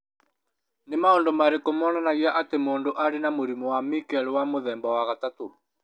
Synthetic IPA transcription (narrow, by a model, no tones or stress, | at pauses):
nemaɔndɔmaɾekomɔnanaɣiaʔatemoːndoʔaɾenamoɾimɔwamikɛlewamoðɛmbɔwaɣatato